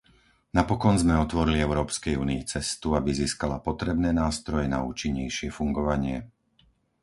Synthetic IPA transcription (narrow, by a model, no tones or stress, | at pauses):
napɔkɔnzmɛɔt̪ʋɔɾiliɛʊɾɔːpskɛjuːniːt͡sɛst̪uabiziːskalapɔt̪ɾɛbnɛːnaːst̪ɾɔjɛna̰uːt͡ʃiɲːɛjʃɪɛfuŋɡɔʋaɲɪɛ